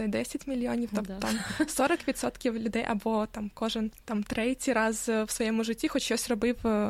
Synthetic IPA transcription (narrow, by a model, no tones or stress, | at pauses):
ɛd̪ʲesʲɪtʲmʲɪlʲːɪonʲɪft̪ot̪amsoɾəkpʲɪt̪sot̪kʲɪvlʲʊd̪ejʔɐ̰bot̪amkoʐɨnt̪amt̪ɾɛtʲɪɾazfsvɐjomʊʐɨtʲːixotʲɕosʲrɐbɨf